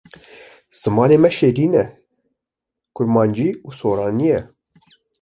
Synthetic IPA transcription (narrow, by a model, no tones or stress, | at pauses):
z̥ɨmɑːneːmɛʃeːɾiːnɛ | kʰʊɾmɑːnd͡ʒiːuːsoːɾɑːnijɛ